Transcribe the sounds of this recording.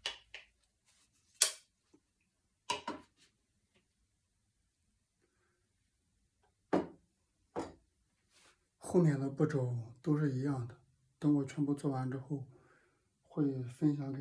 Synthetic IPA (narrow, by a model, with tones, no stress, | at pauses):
xo˥˧ʊmjɛ˥˩nd̪ə˦pu˥˩ʈ͡ʂo˨˩ʊt̪o˥ʊʂ̬ɻ̩˥˩i˧˥jɑ˥˩ŋd̪ə˩ | t̪a˥ŋwɔ˨˩t͡ɕʰɥɛ˧˥npu˥˧t͡swɔ˥˩wa˧˥nʈ͡ʂɻ̩˥xo˥˧ʊ | xwe˥˩ɪfə˥nɕ̬jɑ˧˥ŋke˨˩